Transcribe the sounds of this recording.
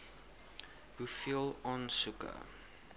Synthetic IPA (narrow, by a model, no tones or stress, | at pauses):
hufilˠɔnsukə̰